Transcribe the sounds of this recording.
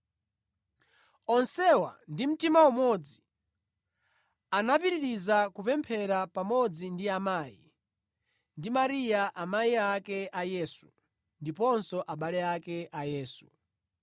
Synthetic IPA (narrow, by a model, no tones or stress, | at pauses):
ɔnsɛwa̰ndim̩timawɔmɔd͡zi̥ | anapiɾiɾizakupɛmpʰɛɾapamɔd͡zindiamaːjḭ | ndimaɾijaʔamaiakɛʔajɛsu̥ | ndipɔnsɔʔaɓalɛakɛʔajɛːsu̥